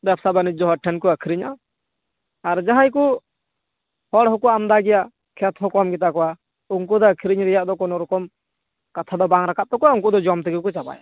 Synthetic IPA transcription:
b̪ɛp̚sabanid͡ʒɔɦɔʈʰɛnkɔakʰiɾiɲa | aɾd͡ʒaɦajku | hɔɽɦɔkuamd̪aɡɛja | kʰɛt̪ɦɔkɔmɡɛt̪̬akɔwa | uŋk̬ud̪ɔakʰiɾiɲɾɛjaʔd̪ɔkɔnɔɾɔkɔm | kat̪ʰad̪ɔbaŋɾakat̪̚t̪ɔkɔwauŋkud̪ɔd͡ʒɔmt̪ɛɡɛkɔt͡ʃapa̰ja̰

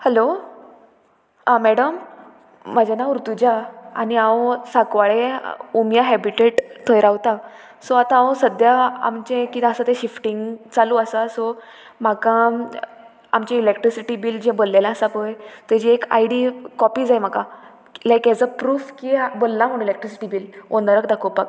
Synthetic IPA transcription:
hɛlo | ãmɛɽəm̤ː | əd͡ʑanauɾt̪ud͡ʑaañiasakʋaɭeumjaɦɛbiʈeʈt̪ʰəjɾaʋt̪a | sɔat̪ãawsəd̪ʱjaa̰mt͡ɕẽkiəsat̪eɕifʈiŋɡt͡saluəsasɔ | m̤akã | a̰mt͡ɕeilekʈɾisiʈibild͡ʑẽbolːalasapəjt̪ed͡ʑeːka̰jɽikɔpiːd͡zajm̤akã | lajkɛd͡zəpɾuːfkiabolːam̤əɽ̃ilek̚ʈɾisi̥ʈibiːlond̪əɾəkd̪akʰopak̚

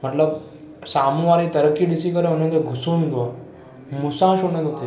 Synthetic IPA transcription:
məʈ̪ləb | samuʋaɾit̪əɾəkːiɖisikəɾeənẽɡeɡʱusonũd̪a | musãʃonẽd̪ot̪ʰi

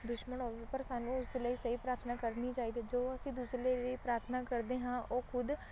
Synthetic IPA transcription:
d̪ʊʃmənoːpəɾsaːnũːʊsd̪eləiːsiːpɾaːɾt̪ʰnaːkəɾniːt͡ʃaːiːd̪iːd͡ʒoːəsĩːd̪usleɾəiːpɾaːɾt̪ʰənaːkəɾd̪eːɦãːʔoːkʰʊd̪

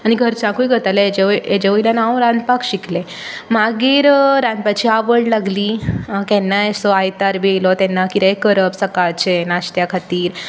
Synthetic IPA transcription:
añiɡʱəɾt͡sãkujɡʱət̪alaed͡ʑeʋed͡ʑeʋəilanaʋ̃ɾãnd̪pakɕikʰle | maɡiːɾɾãnd̪̚pat͡ɕiaʋəɽlaɡliːkɛnːaesɔajt̪aɾbelɔt̪ɛnːakiɾekəɾəpsəkaɭt͡ɕʰenaɕt̪jakʰat̪iːɾ

